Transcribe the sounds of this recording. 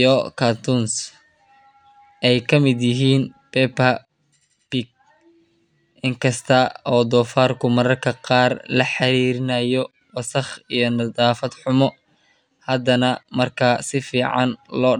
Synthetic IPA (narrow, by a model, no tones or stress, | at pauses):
ɔkʰat̪ʰʊns | ʔɛjkʰɐmɪd̪jɪɦiːnpɛpɐ | piɡ̚ | ʔɪŋkʰɐst̪ʰɐɔːd̪ɔːfaːrkʰʊmɐɾɐrkʰɐqɑːrlɐħɑɾiːɾɪnɐjɔ | wɐsɐχijɔnɐd̪aːfɐd̪ħʊmɔ | hɐd̪ɐnɐmɐrkʰɐsɪfiːʕɑ̰nlɔː